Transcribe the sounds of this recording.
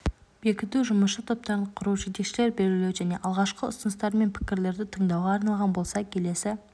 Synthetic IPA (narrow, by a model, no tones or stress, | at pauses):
b̥e̞kʲɪt̪uʒʊməsʃət̪ʰo̞p̚t̪ɑɾəɴqʰʊɾuʒet̪e̞kʃɪle̞ɾbe̞ɾɡʲɪlewʒæne̞ʔɑlˠʁɑʃqəʊ̰sənəst̪ɑɾme̞npʰɪ̥kʲɪɾle̞ɾd̪ɪt̪ʰəɴd̪ɑwʁɑːɾnɑlˠʁɑnbo̞lˠsɑkʲʰe̞le̞sɪ